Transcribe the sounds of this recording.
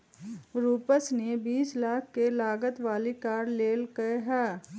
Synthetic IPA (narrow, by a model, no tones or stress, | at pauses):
ɾuːpəsnebiːslaːkʰkelaːɡət̪ʋaːlikaːɾleːlkɐeɦɛː